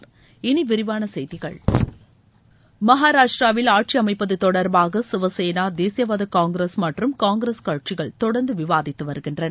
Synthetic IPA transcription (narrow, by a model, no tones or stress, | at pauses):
ɪniʋɪɾɪʋaːnɐsɛjðɪɣɐɭ | mɐɦaːɾaːʂʈɾaːʋɪlaːʈ̚t͡ʃiɐmɐɪpːɐðɯt̪ɔɽɐɾbaːɣɐsɪʋɐseːnaːd̪eːsɪjɐʋɐːðɐkaːŋɡɾeːsmɐʈrɯmkaːŋɡɾeːskɐɻʈ̚t͡ʃɪɣɐɭt̪ɔɽɐnd̪ɯʋɪʋaːðɪt̪ːɯʋɐɾɣɪndrɐnɐ